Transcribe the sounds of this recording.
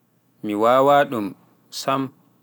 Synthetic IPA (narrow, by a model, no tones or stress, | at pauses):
miwaːwaːɗum | sam